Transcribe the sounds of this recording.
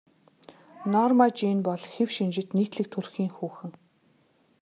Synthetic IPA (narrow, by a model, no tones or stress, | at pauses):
nɔːrmat͡ɕiːnpɔɮxewʃint͡ɕɪ̆t̪niːkt̪ɮɘ̆k̚t̪ʰurxiːŋxuːxɘ̆ŋ